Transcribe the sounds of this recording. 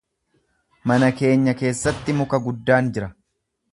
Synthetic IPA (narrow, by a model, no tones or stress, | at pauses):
mɐnɐke̞ːɲːɐke̞ːsːɐt̪ːɪmʊkɐɡʊd̪ːaːnd͡ʒɪɾɐ